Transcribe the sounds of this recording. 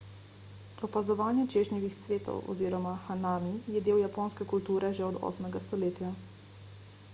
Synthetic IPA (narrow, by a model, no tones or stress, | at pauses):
ɔpazɔʋaːnjɛt͡ʃeːʒnɛʋixt̪sʋeːt̪ɔ̰wɔ̰ziːɾɔmaxanaːmijɛd̪eːwjapoːnskɛkult̪uːɾɛʒɛɔd̪ɔ̰smɛɡast̪ɔleːt̪ja